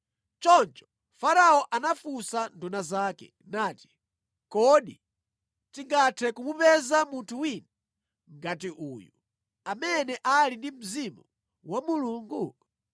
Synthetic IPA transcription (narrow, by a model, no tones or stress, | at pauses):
t͡ʃɔnt͡ʃɔ̥ | faɾaɔʔanafusandunazakɛ̰ | naːti̥ | kɔɗi | tiŋɡatʰɛkumupɛzamuntʰuwinɛ | ŋɡatiʔuːju | amɛnɛʔalindim̩zimu | wamuluŋɡu